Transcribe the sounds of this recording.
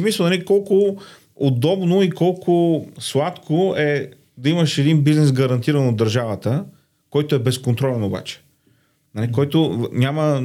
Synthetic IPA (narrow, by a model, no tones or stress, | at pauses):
misəlˠnɐlʲikɔlˠkʊ | od̪ɔbnoikɔlˠkʰʊslˠat̪kʰoɛ | d̪ɐimɐʃɛd̪inbiznɛsɡɐɾɐnt̪iɾɐnod̪ːɐɾʒavət̪ə | kɔjt̪ʊɛbɛskont̪ɾɔlɛnoba̰t͡ʃɛ̥ | nɐlikɔjt̪ʊɲʲamə